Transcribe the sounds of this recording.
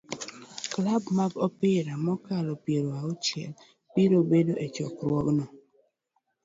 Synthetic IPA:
klabmaɡɔpɪɾamɔkalɔpjeɾoaʊt͡ʃɛ̰l | piɾobedoʔɛt͡ʃɔkɾwɔknɔ

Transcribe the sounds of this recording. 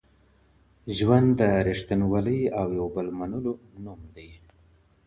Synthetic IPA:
ʒwand̪d̪ːəɾiʂt̪anwaləjawjawbəlmanulo | numd̪aj

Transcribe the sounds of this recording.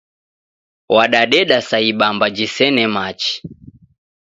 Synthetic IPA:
waɗaɗɛɗasaiɓambad͡ʒisɛnɛmat͡ʃi̥

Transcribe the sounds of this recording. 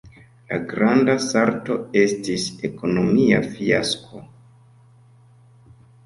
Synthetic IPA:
la̰ɡɾandasaɾto̞e̞stise̞ko̞no̞mia̰fia̰skʰo̞

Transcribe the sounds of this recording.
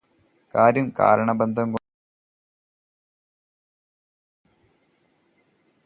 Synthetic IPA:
kaːɾjɐmka̰ːɾɐɳɐbend̪ʱɐmko

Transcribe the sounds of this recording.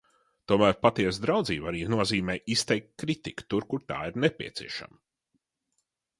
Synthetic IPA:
t̪uɔmæːɾpat̪iɛsd̪ɾawd̪ziːbaɾiːnuɔziːmɛːʔist̪ɛjk̚t̪̚kɾit̪iku̥t̪uɾkuɾt̪a̰ːiɾnepʲḭɛt̪sʲḭɛʃa̰m

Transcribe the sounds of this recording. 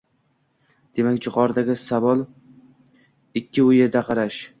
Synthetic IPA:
d̪̥e̞makʲd͡ʒʊqʰɒɾd̪aɡʲɪsavɒlˠ | ɪkʲʰːɪʊjeɾd̪aqʰɑɾaʃ

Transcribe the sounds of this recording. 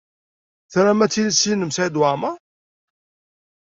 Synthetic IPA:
θɾæmæt͡sːilisinəmsd̪wamæ

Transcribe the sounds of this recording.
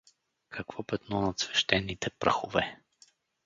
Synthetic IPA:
kʰɐkvɔpɛt̪nɔnɐt̪svɛ̥ʃt̪ɛnːit̪ɛpɾə̰xʊvɛ

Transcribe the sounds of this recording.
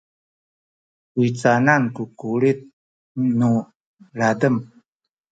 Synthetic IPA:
uit͡sanankukuɾit̪̚ | nu | ladəm

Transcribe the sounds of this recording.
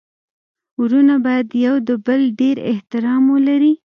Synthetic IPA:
uɾunabɑjad̪jawd̪əbəlɖeɾɪ̰ht̪ɪɾɑmwəlaɾi

